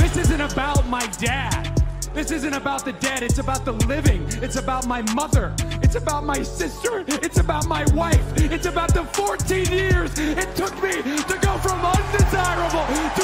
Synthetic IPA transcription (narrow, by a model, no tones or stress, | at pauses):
ðɪsɪzɨ̃ñɨbaʊt̚maɪdæd̪̚ðɪsɪzɨ̃ñɨbaʊt̪̚ðɨdɛɾɨtsɨbaʊt̪̚ðəlɪvɪ̃ŋɨtsɨbaʊt̚maɪmʌðə˞ɨtsɨbaʊt̚maɪsɪstə˞ɨtsɨbaʊt̚maɪwaɪfɨtsɨbaʊt̪̚ðəfɔɹtʰĩnjɪɹzɨtʰʊk̚miɾɨɡoʊfɹʌ̃mʌ̃ndɪzaɪɹəbl̩ˠtʰ